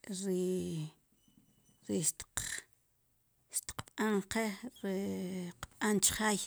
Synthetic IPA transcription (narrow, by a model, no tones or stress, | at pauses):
ɾi | ɾiʃt̪q | ʃt̪i̥qɓ̥aɴqeɾiqɓ̥ant͡ʃχaj